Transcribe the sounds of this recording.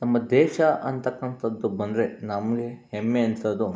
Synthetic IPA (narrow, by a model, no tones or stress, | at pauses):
nɐmːɐd̪ɛːʃɐʔɐnt̪ɐkːɐɳt̪ɐd̪ːubɐnd̪ɾenɐmɡehemːeɐnt̪ɐd̪u